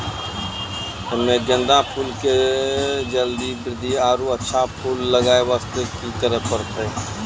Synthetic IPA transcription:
ɪmẽɡə̃nd̪ãpʰuːlke | d͡ʒəld̪ibɾɪd̪ʱiaːɾuətːʃʰapʰuːlːəɡaːeʋaːst̪ekit̪əɾəɦpəɾt̪ʰeː

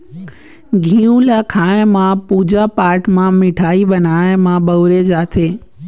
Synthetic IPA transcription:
ɡʱĩːũlaːkʰaːɪ̃mãpuːd͡ʑapaːɾʈʰmãmɪʈʰaːiɓɐnaːɪ̃mãɓɐʋʊɾed͡ʑaːt̪ʰeː

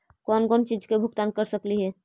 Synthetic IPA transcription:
kɔnkɔnt͡ʃid͡ʒkebʱuɡt̪ankəɾsəkliɦɛ

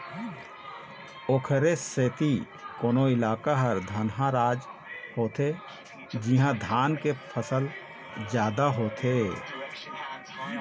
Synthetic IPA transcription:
oːkʰɾeseːt̪i | koːnoɪlaːkaɦəɾd̪ʱənɦãɾaːd͡ʒhoːt̪e | d͡ʒiɦãd̪ʱaːnkepʰəsəl | d͡ʒjaːd̪aɦoːt̪ʰe

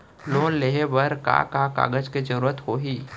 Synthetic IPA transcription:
loːnleɦebɐɾka̰kaːka̰ːɡəd͡ʒked͡ʒəɾuːɾət̪hoːɦiː

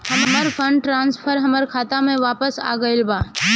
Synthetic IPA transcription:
həmməɾpʰəɳɖʈɾaːnspʰəɾɦəməɾkʰaːt̪amẽʋaːpəsa̰ːɡəɪlbaː

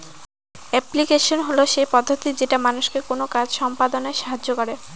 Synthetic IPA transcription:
ɛplikeʃonɦoloʃepɔd̪ʱːot̪id͡ʑeʈamanuʃkekonokad͡ʑʃɔmpad̪oneʃaɦad͡ʑokɔɾe

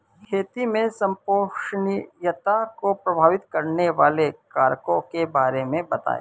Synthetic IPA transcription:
kʰeːt̪imẽsɐ̃mpoːʃnjət̪akopɾɐbʱaːʋɪt̪kɐɾneʋaːlekaːɾkõkebaːɾemẽbɐt̪a̰ːḛ

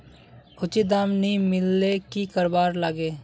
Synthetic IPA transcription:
kʰʊt͡ʃid̪amnimɪlːekikəɾbaːɾləɡeː

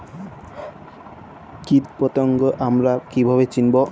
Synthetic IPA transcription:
kit̪̚pɔt̪oŋɡoʔamɾakibʱaβet͡ɕinbo

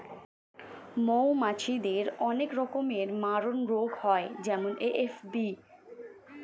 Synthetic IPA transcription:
mowmat͡ɕʰid̪eɾɔnekɾɔkomeɾmaɾonɾoɡhɔed͡ʑɛmoneʔefbi

